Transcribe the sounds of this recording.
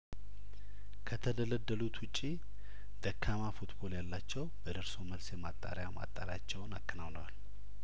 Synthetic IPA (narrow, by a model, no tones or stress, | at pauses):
kʰət̪ʰəd̪ələd̪ːəlut̪wʊt͡ʃʼːi | d̪̥əkʰːamafut̪bo̞ljalːat͡ʃːɛwbəd̪əɾsoməlsjɛmat̪ʼːa̰ɾjama̰t̪ʼːaɾat͡ʃːɛwnakːənawnəwa̰l